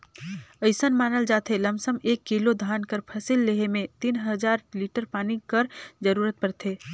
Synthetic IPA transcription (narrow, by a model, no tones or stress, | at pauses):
əɪsənmaːnəld͡ʒaːt̪ʰelɐmsəmeːkːilod̪ʱaːnkəɾpʰɐsɪlːeɦemẽt̪inɦəd͡ʒaːɾliːʈəɾpaːnikəɾd͡ʒəɾuːɾət̪̚pɐɾt̪ʰeː